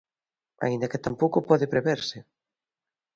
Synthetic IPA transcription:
a̰ind̪ɐkɪt̪ampowkʊpɔðɪpɾeβeɾsɪ

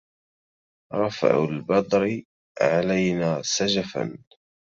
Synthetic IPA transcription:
ɾˤɑfa̰ʕʊ̰lbɑd̪ˤɾɪ | ʕalajnaːsad͡ʒafa̰n

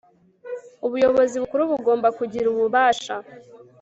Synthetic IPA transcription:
uβujo̞βo̞ziβukuɾuβuɡo̞ːmbakuɟiɾuβuβaːʃa

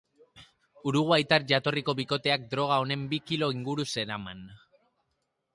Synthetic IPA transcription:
uɾuɣ̞uajt̪arʝat̪o̞riko̞βiko̞t̪e̞ak̚d̪ɾo̞ɣ̞ao̞ne̞mbikilo̞iŋɡuɾuse̞ɾaman

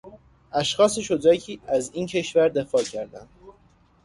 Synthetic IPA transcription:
ʔæʃxɒːse̞ʃod̪ɾæcʰiːæziːncʰe̞ʃvæɾd̪e̞fɒːcʰæɾd̪ænd̪̥

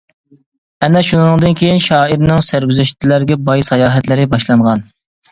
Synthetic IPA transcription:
ɛnɛʃunɨŋd̪ɨnkʲʰejinʃɑːiɾnɪŋsæɾɡʲyzɛʃt̪ʰlæɾɡʲɛbɑjsɑjɑːɦɛt̪lɪɾɪbɑʃlˠɑɴʁɑn

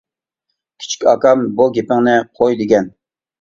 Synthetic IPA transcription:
kʲʰi̥t͡ʃʰi̥kʲɑkɑmbuɡʲepɪŋnɪqʰojd̪ɪɡʲɛn

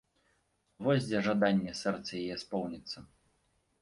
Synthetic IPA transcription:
vɔzʲd͡zʲɛʐad̪anʲːɛsɛrt̪sɐjajɛspɔwnʲit̪sːɐ

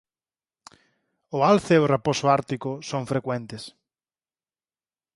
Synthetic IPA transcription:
ʊalθeeʊreposʊaɾt̪ikʊsoŋfɾekwɛnt̪ɪs

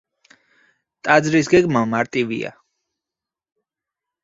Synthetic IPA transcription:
t̪ʼad̪zɾis̬ɡɛɡmamaɾt̪ʼivḭa̰

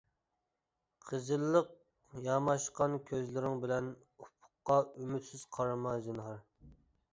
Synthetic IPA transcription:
qʰəzɨlˠːəq̚ | jɑmɑʃqɑnkʲʰøzlɪɾɪŋbɪlɛn | upʰʊ̥qːɑymyt̪sɪz̥qʰɑɾmɑzɨnhɑɾ

